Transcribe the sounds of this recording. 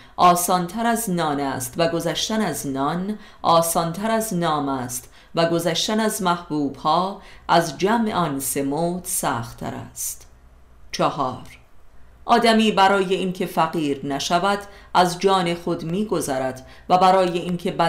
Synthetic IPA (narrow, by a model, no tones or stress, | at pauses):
ʔɒːsɒːnt̪ʰæɾæznɒːnæst̪væɡo̞zæʃt̪ænæznɒn | ʔɒːsɒːnt̪ʰæɾæznɒːmæst̪ | væɡo̞zæʃt̪ænæzmæhb̥uːb̥hɒːʔæzd͡ʒæmʔḛɒnse̞moːd̪̥sæ̰ːxt̪ʰːæ̰ɾæ̰st̪ | t͡ʃʰɒhɒːɾ | ʔɒːd̪æmiːbæɾɒːje̞inkʰe̞fæɣiːɾnæʃævæd̪̥ʔæzd͡ʒɒːne̞xo̞d̪miːɡo̞zæɾæd̪̥ | væbæɾɒːje̞incʰe̞bæ